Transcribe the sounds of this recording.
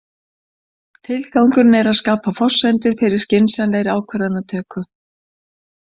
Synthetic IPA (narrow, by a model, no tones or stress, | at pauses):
t̪ʰɪlθawŋkʏɾnɛɾaðskaːpafɔ̥sɛnt̪ʏɾ̥fɪɾɪɾ̥scɪnsɛnleːjɾɪaːwkʰvɛɾðanːat̪ʰœːkʏ